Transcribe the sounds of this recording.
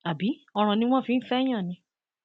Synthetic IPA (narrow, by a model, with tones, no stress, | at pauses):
a˨bi˨˦ɔ˧ɾ̃ã˨nĩ˧w̃ɔ̃˦˨fĩ˨˦n̩˦fɛ˦j̃ã˦˨nĩ˧